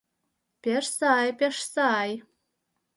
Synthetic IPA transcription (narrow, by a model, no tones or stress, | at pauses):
pʲeʃsɑjpʲeʃsɑj